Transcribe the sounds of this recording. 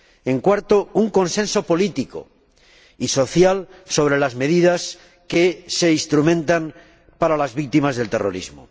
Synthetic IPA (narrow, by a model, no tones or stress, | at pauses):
e̞ŋkwaɾt̪ouŋko̞nsẽ̞nso̞po̞lit̪iko̰ | iso̞θjalso̞β̞ɾe̞lazme̞ðiðas | ke̞se̞ist̪ɾumẽ̞nt̪an | paɾalazβik̚t̪imazðe̞lt̪ero̞̰ɾḭzmo̰